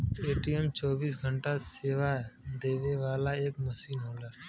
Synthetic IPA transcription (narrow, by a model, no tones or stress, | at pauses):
eːʈijɛmt͡ʃɔːbiːsɡʱəɳʈaseːʋad̪eːʋeʋaːlaeːkmɐʃiːnɦoːlaː